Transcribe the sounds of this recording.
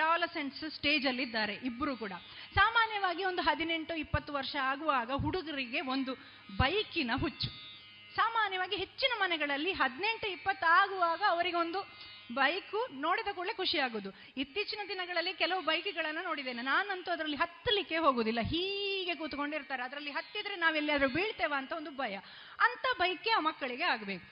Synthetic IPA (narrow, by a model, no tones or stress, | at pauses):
ʈaːlɐɾseɳʈssʈeːd͡ʒɐlːid̪ːaːɾe̞ʔibːɐɾuːkuːɽɐ | saːmaːnjɐʋaːɡio̞nd̪uɦɐd̪ine̞ɳʈuipːɐt̪ːuʋɐɾʂɐaːɡuʋaːɡɐɦuɽuɡɐɾiɡe̞o̞nd̪u | bɐjkinɐɦut͡ʃːu̥ | saːmaːnjɐʋaːɡiɦe̞t͡ʃːinɐmɐnɛɡɐɭɐlːiɦɐd̪ne̞ɳʈuipːɐt̪ːaːɡuʋaːɡɐːʋɐɾiɡe̞o̞nd̪u | bɐjkuno̞ːɽid̪ɐkuːɭekuʂijaːɡoːd̪u | it̪ːiːt͡ʃinɐd̪inɐɡɐɭɐlːikɛlɐʋubɐjkɛɡɐɭɐnːɐno̞ːɽid̪ːeːnenaːnɐnt̪uɐd̪ɐɾɐlːiɦɐt̪ːɐlikːe̞ɦo̞ːɡoːd̪ilːɐɦiːɡe̞k̬uːt̪uko̞ɳɖiɾt̪aːɾeɐd̪ɐɾɐlːiɦɐt̪ːid̪ɐɾenaːʋelːiɐd̪ɐɾubiːɭt̪eːʋaːnt̪ɐond̪ubʱɐjɐ | ɐnt̪ɐbɐjkeaːmɐkːɐɭiɡe̞aːɡɐbe̞ːku